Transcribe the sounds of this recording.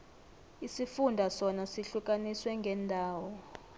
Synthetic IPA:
isifundʱasɔnasiɬuk̬ʼaniswɛŋɡʱɛndʱaːwɔ

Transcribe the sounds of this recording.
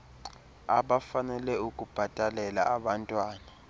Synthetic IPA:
a̰ɓafanɛlɛukʼub̥ʱatʼalɛla̰aɓantʼwaːna

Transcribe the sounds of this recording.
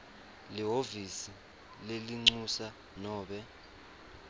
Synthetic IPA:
liɦovisi | leliŋ͡ǀusa | nɔːɓɛ

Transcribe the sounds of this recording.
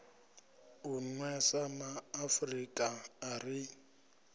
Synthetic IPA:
unwɛsamaːfrikʼaːri

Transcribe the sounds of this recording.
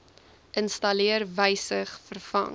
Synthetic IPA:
ʔənstɐliərvəjsəχfərfɐ̰ŋ

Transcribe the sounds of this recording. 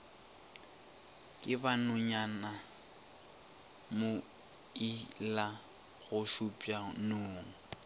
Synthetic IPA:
kʼɪbanʊɲana | mʊ | ila | ɣʊʃupʼjanoːŋ̩

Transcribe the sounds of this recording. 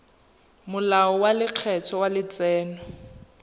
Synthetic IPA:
mʊlaɔwalɪq͡χʰɛtʰɔwalɪt͡sɛːnɔ

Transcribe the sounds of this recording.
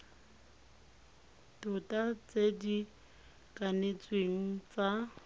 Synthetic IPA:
tʊtʼat͡sedi | kʼanet͡sʼweŋ̩t͡sʼa

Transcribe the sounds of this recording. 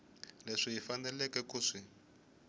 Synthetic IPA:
leʂiɦifanɛlɛkɛkuːʂi

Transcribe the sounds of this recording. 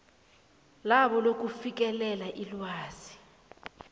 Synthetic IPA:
laɓɔlok̬ʼufik̬ʼɛlɛlaʔilwaːz̥i̥

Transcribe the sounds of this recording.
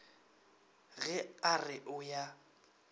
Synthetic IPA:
ɣɛarɪʔʊja

